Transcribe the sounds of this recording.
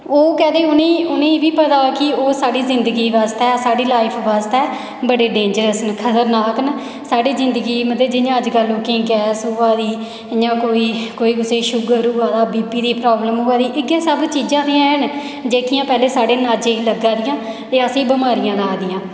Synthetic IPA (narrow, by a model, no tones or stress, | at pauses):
oːkɛːd̪eːʊnẽːʊnẽːbiːpət̪aːkɪoːsaːɖiːzɪnd̪əɡiːʋaːst̪ɛːsaːɖiːlaːɪpʰʋaːst̪ɛː | bəɽeːɖẽːɲd͡ʒəɾəsnkʰət̪əɾnaːkn | saːɖiːzɪ̃nd̪əɡiːmət̪əd͡ʒɪɲãːəd͡ʒkəlːoːkẽːɡɛːsoãːd̪iː | ɲãːkoːiːkoːiːkʊseːʃʊɡəɾuːɡaːd̪aːbiːpiːd̪iːpɾaːbləmɦoːaːd̪iːʔɪɡẽːsəbt͡ʃiːd͡ʒãːd̪iːãn | d͡ʒeːkijãːpɛːleːsaːɖeːnaːd͡ʒeːiːləɡːãːd̪ɪjãː | t̪eːəsĩːbəmaːɾɪjãːnaːd̪ɪjãː